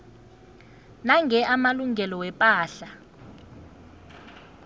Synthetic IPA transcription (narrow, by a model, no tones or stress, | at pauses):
naŋʱɛʔamaluŋʱɛlɔwɛpʼaːɬa